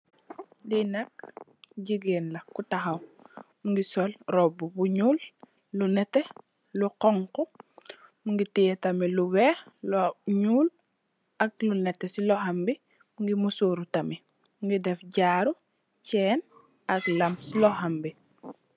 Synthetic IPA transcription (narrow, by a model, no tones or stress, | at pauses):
dinɐk̚ɟiɡɛnlɐkutaxɐwmuŋɡisɔlɾɔbubuɲuːlː | unɛtːe | luqɔŋkɔ | muŋɡitijɛtamiluwɛːlɲuːl | ak̚lunɛtːesiloɦambi | muŋɡimusuɾutami | muŋɡidɛfɟaːɾu | cɛːn | aklamsilɔhambi